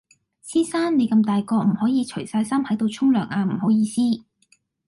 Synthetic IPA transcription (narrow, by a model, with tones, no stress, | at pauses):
t͡sʰiː˥saː˥nne˨˧jkɐ˧mt̪aː˨jkɔː˧m̩˨˩hɔː˨˥jiː˨˧t͡ʃʰɵ˨˩jsaː˧jsa˥mhɐ˨˥jt̪o˧wt͡ʃʰʊ˥ŋlœː˨˩ŋʔaː˧m̩˨˩ho˨˥wjiː˧siː˥